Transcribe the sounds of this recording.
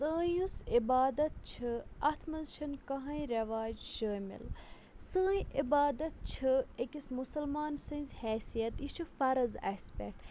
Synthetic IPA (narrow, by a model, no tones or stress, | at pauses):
sə̃ːjusibaːd̪ɐt̪̚t͡ʃʰɨɐt̪ʰmɐzʃʰɐnkɐɦɐ̃jɾɐʋaːd͡ʒʃəːmḭl | səːjʔibaːd̪ɐt̪̚t͡ʃʰɨekʲismusɐlmaːnsɨ̃nzʲhɛːsijɐt̪ist͡ʃʰufɐɾɐza̰ːspḛk̚ʈ